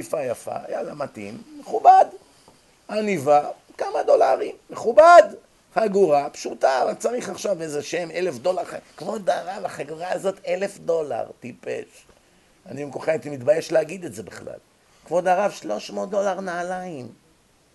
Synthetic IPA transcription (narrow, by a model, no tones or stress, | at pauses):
ifajafa̰ja̰lamatḭmːeχubad̪ | aniva | kamad̪o̞laʁimːeχubad̪ | haɡuʁapʃutavat͡saʁiχaχʃavezeʃeme̞le̞fd̪o̞laʁakvo̞d̪aʁavaχaɡuʁaːzo̞telefd̪o̞la̰ʁtipḛʃ | aniimkoχeit̪imit̪baje̞ʃleaɡid̪e̞tze̞beχla̰l | kvo̞d̪aʁavʃlo̞ʃmotd̪o̞laʁnaːlaim